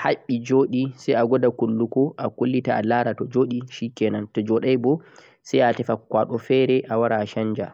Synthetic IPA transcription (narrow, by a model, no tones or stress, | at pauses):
haɓːid͡ʒoːɗisɛjaɡɔdakulːukɔʔakulːitaalaɾatɔd͡ʒoːɗiʃikɛnantɔd͡ʒɔːɗajbɔ | sajatɛfakwaːɗɔfɛɾɛʔawaɾaːʃaɲd͡ʒa